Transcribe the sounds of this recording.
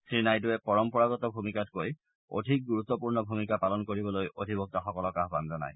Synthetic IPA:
sɹinajdʊɛpɔɹɔmpɔɹaɡɔtɔbʱumikatkoj | o̰dʱik̚ɡuɹut̪ːɔpuɹnɔbʱumikapalɔnkoɹibɔlojodʱibɔk̚taxɔkɔlɔkaɦbanzɔna̰j

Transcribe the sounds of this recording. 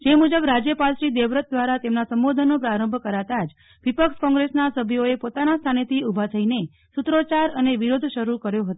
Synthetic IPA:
d͡ʒemud͡ʒəbɾad͡ʒjəpalʃid̪eʋɾət̪̚d̪ʋaɾat̪emnasəmbod̪ʱənopɾaɾə̃mbʱkəɾat̪ad͡ʒ | ʋipəkʃkɔ̃ŋɡɾesnasəbʱjoepot̪anast̪ʰanet̪ʰiubʱat̪ʰəine | sut̪ɾot͡ʃaɾəneʋiɾod̪ʱʃəɾukəɾjoɦət̪o

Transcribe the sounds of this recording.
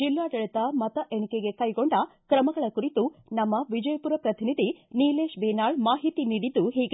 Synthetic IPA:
d͡ʒilːaːɖɐɭit̪ɐmɐt̪ɐʔeɳikeɡe̞kɐjɡoɳɖɐkɾɐmɐɡɐɭɐkuɾit̪unɐmːɐʋid͡ʒɐjɐpuːɾɐpɾɐt̪ʰinid̪ʱiniːleːʃbeːnaːɭmaːɦit̪iniːɽid̪ːuɦiːɡe

